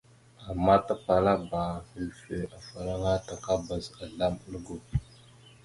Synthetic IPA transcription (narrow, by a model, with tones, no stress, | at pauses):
a˨mːa˦ta˦pa˨la˦ba˨hə˨lfe˨a˨fa˨la˦ŋa˦ta˨ka˦ba˨za˨ɮa˦mə˦lɡo˨